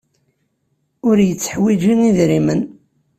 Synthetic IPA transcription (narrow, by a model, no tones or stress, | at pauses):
ʊɾjət͡sːə̥ħwid͡ʒiniðɾimən